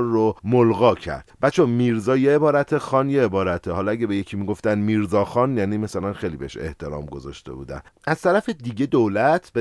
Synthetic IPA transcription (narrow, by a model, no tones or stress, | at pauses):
ɾːomolɣɒːcʰæ̰ɾd̪̥bæt̪t͡ʃʰomiːɾzɒːjeebɒːɾæt̪ʰexɒːnjeebɒːɾæt̪ʰehɒːlɒæɟebejecʰimiːɡo̞ft̪ænd̪miːɾzɒːxɒːnjæːnimæsælænxejliːbeheʃḛht̪ʰe̞ɾɒ̰ːmɡo̞zɒ̰ːʃt̪e̞̰bṵːd̪æ̰n | ʔæz̥t̪ʰæɾæfed̪iɟe̞d̪olæt̪ʰbe